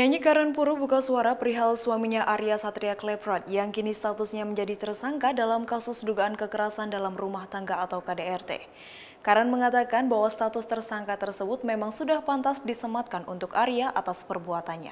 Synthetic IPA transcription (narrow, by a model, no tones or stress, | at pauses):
jaiɲikaɾanpuɾubukasuaɾapəɾiɦalsuamiɲaʔaɾiasat̪ɾiaklɛpɾat̪jaŋkinist̪at̪usɲaməɲd͡ʒadit̪ərsaŋkadalamkasʊsduɡaankəkəɾasandalamrumaht̪aŋɡaːt̪awkadeɛrt̪ḛ | kaɾanməŋat̪akanbaɦwast̪at̪ʊst̪ərsaŋkat̪ərsəbʊt̪̚memaŋsudahpant̪asdisəmat̪̚kanṵnt̪ʊkaɾiaʔat̪aspərbuat̪anɲa̰